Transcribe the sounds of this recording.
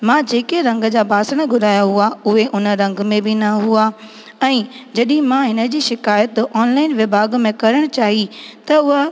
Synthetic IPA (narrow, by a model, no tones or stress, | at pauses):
mãːd͡ʑeːkeɾɐ̃ŋɡd͡ʑaːbʱaːsəɽ̃ɡʱʊdaːjaɦuaʊɦeʔʊnəɾɐ̃ŋɡmẽbɪnɐɦua | ɛ̃ːd͡ʑɐɗɪ̃ɦɪ̃mãɦɪnə̆d͡ʑiːʃɪkaːjət̪ɔːnlaːɪnʋɪbʱaːɡmẽkɐɾəɽ̃t͡ɕaːɦit̪ɐʊɦ